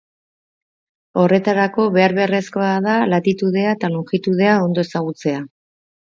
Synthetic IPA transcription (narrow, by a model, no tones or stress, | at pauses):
o̞re̞t̪aɾako̞βe̞aɾβe̞re̞sko̞aðalat̪it̪uðe̞aet̪aluŋxit̪uðe̞ao̞nd̪o̞e̞saɣut͡se̞a